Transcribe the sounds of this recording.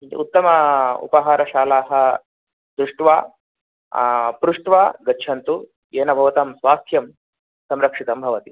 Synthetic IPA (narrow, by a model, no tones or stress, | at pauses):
ut̪ːɐmɐṵpɐɦaːɾɐʃaːlaːɦɐ̆ | d̪ɾuʂʈʋaː | pɾuʂʈʋaːɡɐt͡ʃʰɐnt̪u | eːnɐbʱɐʋɐt̪ɐmsʋaːt̪ʰjɐm | sɐmɾɐkʂit̪ɐmbʱɐʋɐt̪i